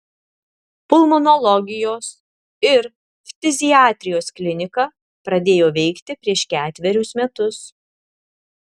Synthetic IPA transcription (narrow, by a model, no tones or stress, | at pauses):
pʊlˠmɔnɔlˠɔɡʲɪjoːs | ɪɾ | fʲt̪ʲɪzʲɪɑːt̪ʲɾʲɪjoːsklʲɪnʲɪkɐ | pɾɐd̪ʲeːjoːʋʲɛɪkt̪ʲɪpʲɾʲiɛʃkʲæːt̪ʲʋʲɛɾʲʊsmʲɛt̪ʊs